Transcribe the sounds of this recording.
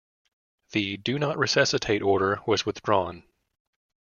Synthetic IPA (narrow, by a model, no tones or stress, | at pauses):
ðɨdɨnəʔɹʔɨsʌsɨtʰeɪɾɔɹɾə˞wʌzwɨθdɹɔ̃n